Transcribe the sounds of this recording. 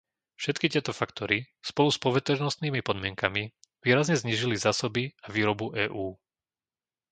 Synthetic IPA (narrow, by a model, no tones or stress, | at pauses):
fʃɛt̪kit̪ɪɛt̪ɔfakt̪ɔɾi | spɔluspɔʋɛt̪ɔɾnɔst̪niːmipɔd̪mɪɛŋkami | ʋiːɾazɲɛzɲiːʒilizaːsɔbiaʋiːɾɔbuʔɛːʔuː